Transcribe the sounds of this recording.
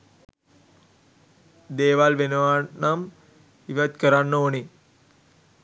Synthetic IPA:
d̪eːʋalʋenəʋanːam | iʋət̪kəɾanːoːni

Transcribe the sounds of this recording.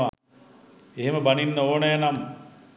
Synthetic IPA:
a | eɦeməbaninːəoːnəjanam

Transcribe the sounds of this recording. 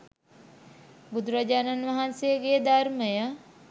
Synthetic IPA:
bud̪ɾɐd͡ʒaːnɐnʋɐɦanseɡed̪aɾməjə

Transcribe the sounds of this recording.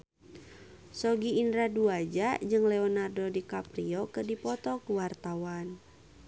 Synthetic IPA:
sɔɡiːndɾaduad͡ʒad͡ʒɨŋlɛɔnardɔdikapɾiɔkɨrdipɔt̪ɔkuwart̪awan

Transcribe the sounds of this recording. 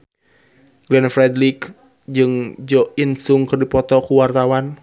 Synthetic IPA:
ɡ̥lɛnfɾɛdlik | d͡ʒɨŋd͡ʒɔinsuŋkɨrdipɔt̪ɔkuwart̪awan

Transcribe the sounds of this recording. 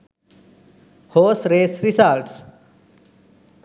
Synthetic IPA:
hoːsɾeːsɾisalʈs

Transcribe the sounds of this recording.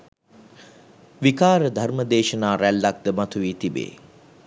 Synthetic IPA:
ʋikaːɾəd̪ʱarməd̪eːʃənaːɾælːak̚d̪əmat̪uʋiːt̪ibḛː

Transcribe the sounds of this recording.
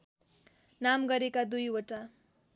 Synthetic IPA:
namɡʌɾekad̪ujoʈa

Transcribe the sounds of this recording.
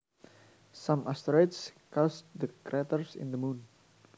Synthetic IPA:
sãmʔast̪ɾɔɪt̪skɔsd̪əkɾɛt̪əɹsɪ̰̃nd̪əmũn

